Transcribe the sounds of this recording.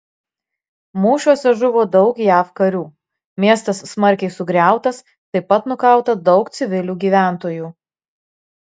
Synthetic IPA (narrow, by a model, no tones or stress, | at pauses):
muːʃʲuɔsʲɛʒʊʋoːd̪ɒʊkjæːfkɐɾʲuː | mʲiɛst̪ɐsːmɐɾʲkʲɛɪsʊɡɾʲæˑʊt̪ɐs | t̪ɐɪpɐt̪nʊkɐˑʊt̪ɐd̪ɒʊkt̪sʲɪʋʲɪlʲuːɡʲiːʋʲæˑnt̪oːjuː